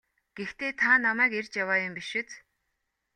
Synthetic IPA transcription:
ɡ̥ext̪ʰeːt̪ʰanamæːkerʲt͡ɕjawaːjʊmpiʃɪ̆t͡s̪

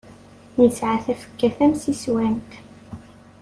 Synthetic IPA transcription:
nisʕaθæfə̥kːæθæmsiswænt̪

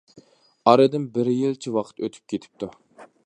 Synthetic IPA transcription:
ɑɾɨd̪ɪnbɪɾjilt͡ʃʰiwɑqʰə̥t̪øt̪ʰy̥p̚kʲet̪ʰɪ̥p̚t̪ʰu

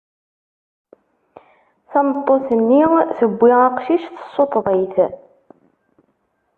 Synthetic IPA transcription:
θæmət̪ˤːoθənːiθəbʷːiʁaqʃiʃθə̥sˤːot̪ˤðˤəθ

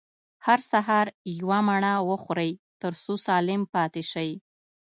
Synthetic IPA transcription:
haɾsaɦɑɾjwamaɳawəxɾəjt̪əɾsosɑlɪmpɑt̪ɪʃəj

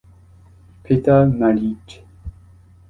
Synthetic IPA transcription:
pʰet̪analit͡ʃ

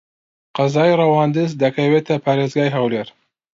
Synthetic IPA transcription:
qɑzɑːjrɑwɑːnd̪ɨzd̪ɐkʰɐwet̪ʰɐpʰaɾezɡɑːjɦawleːɾ

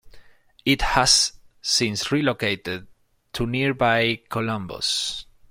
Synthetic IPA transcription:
ɪthasːɪ̃nsɹilokeɪt̪ɪd̚ | tʰuniɹbajkʰolʌ̃mbo̰s

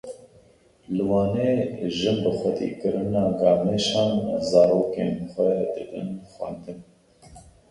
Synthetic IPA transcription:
lɨwɑːneːʒɨnbɨxʷɛt̪ḭkɨɾɨnɑːɡɑːmeːʃɑːnzɑːɾoːkḛːnxʷɛd̪ɨd̪ɨ̰nxʷɛ̰nd̪ɨn

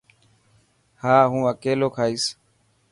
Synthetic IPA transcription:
haːɦũːəkeːloːkʰaːiːs

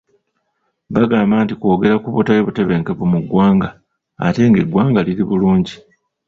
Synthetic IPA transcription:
βaɡaːmbaːntiko̞ːɡe̞ɾakuβutajeβute̞βe̞ŋke̞βumuɡwaːŋɡa̰ː | te̞ŋɡe̞ɡwaːŋɡaliɾiβuluːɲɟi

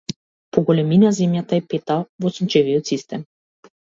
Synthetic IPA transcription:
pɔɡɔlɛminazɛmjat̪aɛpɛt̪avɔsumt͡ʃɛvijɔt̪sist̪ɛm

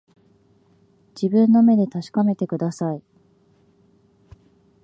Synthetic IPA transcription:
d͡ʑ̥ibɯ̟̃nːo̞me̞d̪e̞t̪aɕi̥kame̞t̪e̞kɯ̟d̪asai

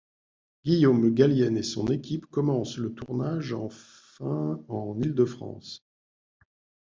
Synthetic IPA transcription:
ɡ̥ʲijomɡaljɛnesɔ̰̃nekʲipkɔmɑ̃slət̪uʁnaʒɑ̃ | ɛ̃ɑ̃nild̪əfχɑ̰̃s

